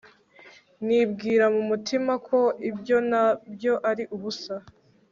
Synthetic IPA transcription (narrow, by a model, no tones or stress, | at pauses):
nibɡiːɾamumutʰimakʰo̞ibjo̞nabjo̞ʔaɾiʔuβusa